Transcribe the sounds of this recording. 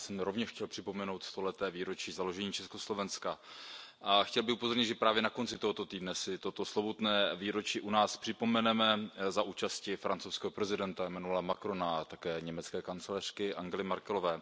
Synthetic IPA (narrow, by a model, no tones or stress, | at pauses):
sɛmɾo̞vɲɛʃxcɛlpr̥ɪpo̞mɛno̞wt̪st̪o̞lɛt̪ɛːviːɾo̞t͡ʃiːzalo̞ʒɛɲiːt͡ʃɛsko̞slo̞vɛnskaʔaxcɛlbɪxupo̞zo̞ɾɲɪd̪ʒɛpɾaːvjɛnako̞nt͡sɪt̪oɦot̪o̞t̪iːdnɛsɪt̪ot̪o̞slobot̪nɛːviːɾo̞t͡ʃiːʔunaːspr̝̥ɪpo̞mɛnɛmɛzaʔuːt͡ʃascɪfɾant͡sowskɛːɦopɾɛzɪdɛnt̪aɛmɛnulamakɾonat̪akɛːɲɛmɛt͡skɛːkant͡sɛlɛr̝̥kɪʔaŋɡɛlɪmaɾkɛlovɛː